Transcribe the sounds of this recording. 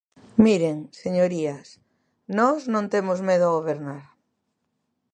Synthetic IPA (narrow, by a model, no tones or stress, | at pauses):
miɾeŋseɲoɾias | nɔznõnt̪emozmeð̞ʊaɣoβeɾnaɾ